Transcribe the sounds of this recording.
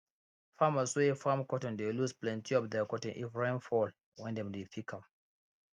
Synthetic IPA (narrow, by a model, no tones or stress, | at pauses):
famaswefamkɔtɔ̃ndelusplɛ̃ntiɔpdɛkɔtɔ̃nʔḭfɹẽnfɔl | wɛ̃ndɛ̃mdefikʰãm